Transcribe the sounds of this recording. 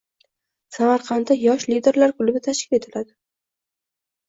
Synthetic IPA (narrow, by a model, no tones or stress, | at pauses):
samaɾqʰɑnd̪ajɒʃlid̪e̞ɾlaɾkʰʊlɪbɪt̪ʰaʃkʲɪ̥pe̞t̪ʰɪlad̪ɪ